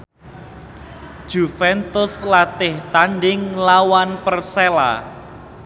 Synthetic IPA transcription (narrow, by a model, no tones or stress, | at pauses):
ʒ̥ufɛnt̪ʊslat̪ɪht̪anɖɪŋlawanpərsela̰